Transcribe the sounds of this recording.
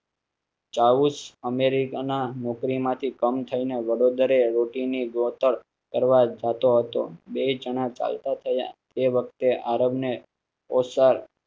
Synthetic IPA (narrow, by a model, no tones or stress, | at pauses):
t͡ʃaʋusəmeɾikananɔkɾimãt̪ʰikəmt̪ʰəineʋəɽod̪ɾeɾoʈiniɡot̪əɾ | kəɾʋad͡ʒat̪oɦət̪o̰bed͡ʒəɳ̃ãt͡ʃa̰lt̪at̪ʰəja̰t̪eʋək̚ʰt̪eʔaɾəbne | osaɾ